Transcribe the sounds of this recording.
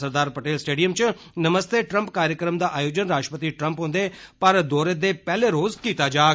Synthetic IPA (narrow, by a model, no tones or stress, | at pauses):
səɾd̪aːɾpəʈeːlsʈeːɖijəmt͡ʃ | nəməst̪eːʈɾəmpkaːɾjəkɾəmd̪aːʔaːjoːd͡ʒənɾaːʃʈəpət̪iːʈɾəmpɦõːnd̪eːpəɾd̪oːɾed̪eːpɛːleːɾoːzkiːt̪aːd͡ʒaː